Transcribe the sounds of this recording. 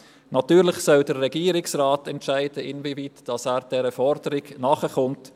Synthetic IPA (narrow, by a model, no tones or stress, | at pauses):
nɑtyːɾlɪχsɔldəɾːɛɡiːəɾɪksraːtɛntʃæɪd̥əɪnviviːtd̥ɑsæːɾd̥ɛɾəfɔɾd̥əɾɪɡnɑːχəχʊnt